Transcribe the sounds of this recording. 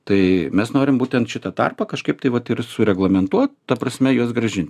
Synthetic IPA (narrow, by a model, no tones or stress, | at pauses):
t̪ɐɪmʲɛsnoːɾʲɪmbuːt̪ʲɛnt̪ʃʲɪt̪ɐt̪ɑ̰rpɐkɐʃkɐɪp̚t̪ɐɪʋɐt̪ɪrsʊɾʲɛɡlˠɐmʲɛnt̪uɔt̪̚t̪ɐpɾɐsʲmʲɛjuɔsɡɾɐʒʲɪnʲt̪ʲ